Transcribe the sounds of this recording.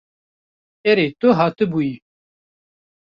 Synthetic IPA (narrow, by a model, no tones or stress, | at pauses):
eɾet̪ʊɦɑːt̪ɨbui